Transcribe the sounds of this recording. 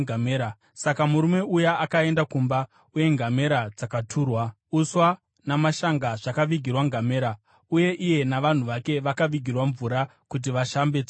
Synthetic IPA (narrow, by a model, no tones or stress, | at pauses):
ameːɾa | sakamuɾume̞ujaʔakae̞ndakumba | uje̞ŋɡʱame̞ɾad͡zakatʰuːrwa | uswa | namaʃaŋɡaʐakaʋiɡʱirwaŋɡʱame̞ːɾa | uje̞ʔije̞naʋan̤uʋake̞ʋakaʋiɡʱirwaɱvuːɾa | kut̬iʋaʃambed͡z